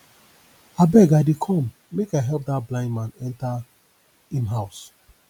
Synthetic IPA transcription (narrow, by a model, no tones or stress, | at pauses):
abɛɡaɪdekʰɔ̃m | mekaɪɦɛlp̚datblãɪ̃ndmãnɛ̃nta | ĩnɦaʊs